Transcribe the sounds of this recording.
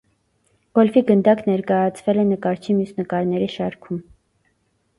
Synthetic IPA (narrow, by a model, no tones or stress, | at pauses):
ɡ̥ɔlviɡənd̪ɑknɛɾkɑjɑt͡sʰvɛlɛnəkɑɾt͡ʃʰimjusnəkɑɾnɛɾiʃɑɾkʰum